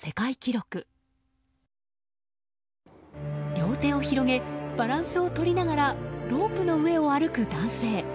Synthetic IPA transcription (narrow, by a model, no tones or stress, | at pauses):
se̞kaikʲiɾo̞kɯ̟ | ɾʲo̞ːt̪e̞ːo̞çiɾo̞ɡe̞b̥aɾãɰ̃sɨo̞t̪o̞ɾʲinaɡaɾaɾo̞ːpɯ̟no̞ɯ̟e̞o̞aɾɯ̟kɯ̟d̪ãɰ̃se̞ː